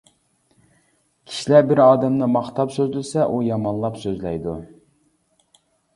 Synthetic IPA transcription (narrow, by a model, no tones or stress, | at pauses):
kʲʰi̥ʃilæbɪɾɑːd̪ɛmnɨmɑχt̪ɑpsøzlɪsɛʔujɑmɑnlˠɑpsøzlɛ̰jd̪u